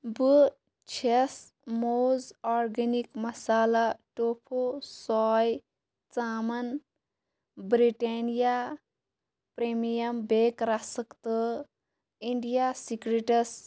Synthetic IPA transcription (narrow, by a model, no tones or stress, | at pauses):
bu | t͡ʃʰes | moːzɔːɾɡenikmɐsaːlaʈopʰosɔːj | t͡saːmɐn | bɾiʈeːnija | pɾemijɐmbekɾasəkt̪ə | iɳɖijasikɾeʈəs